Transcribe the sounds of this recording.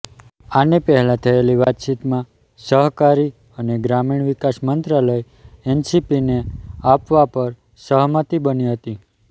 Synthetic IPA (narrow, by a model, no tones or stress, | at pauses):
anepəɦɛlãt̪ʰəeliʋat̪t͡ʃit̪mã | səɦkaɾi | əneɡɾamiɳ̃ʋikasmənt̪ɾaləj | ɛnsipineapʋapəɾ | səɦmət̪ibəniɦət̪i